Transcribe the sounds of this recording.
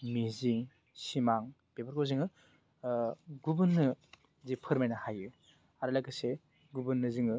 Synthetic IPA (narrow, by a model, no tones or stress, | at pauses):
miziŋ | simaŋ | bebaɾkʰowziŋɯ | ɡubɯnːɯ | zipʰɯɾmajnahajɯ | aɾɯlaɡɯse | ɡubɯnːɯziŋɯ